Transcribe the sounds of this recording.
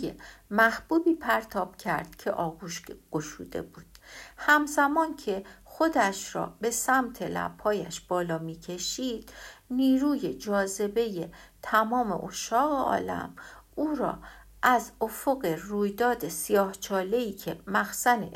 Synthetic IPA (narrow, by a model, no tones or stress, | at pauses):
jemæhb̥uːbiːpʰæɾt̪ʰɒːb̥cʰæ̰ɾd̪̥cʰe̞ʔɒːɡuʃɡ̥oʃṵːd̪̥e̞̰buːd̪̥hæmzæmɒːncʰe̞xo̞d̪æʃɾɒ̰ːbe̞sæmt̪ʰe̞læ̰b̥hɒːjæ̰ʃb̥ɒːlɒːmiːcʰe̞ʃiːd̪̥niːɾuːje̞d͡ʒɒːze̞be̞jet̪ʰæmɒːme̞̰ʔoʃɒːɣeɒ̰ːlæ̰m | uːɾɒ̰ː | ʔæzofo̞ɣe̞ruːjd̪ɒːd̪e̞sijɒːht͡ʃʰɒːle̞iːcʰe̞mæxsænḛ